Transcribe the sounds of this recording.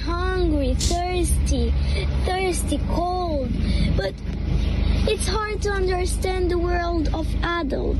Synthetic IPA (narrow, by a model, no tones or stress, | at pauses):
hʌ̃ŋɡɹiθɜ˞stiθɜ˞stikʰo | lˠdb̥ʌɾ | ɪtshɑɹd̚təʌ̃ndə˞stæ̃nðəwɜ˞lˠdʌvædə̰lˠ